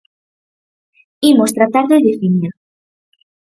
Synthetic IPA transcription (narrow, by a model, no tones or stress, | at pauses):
imost̪ɾat̪aɾðoðiθiɲa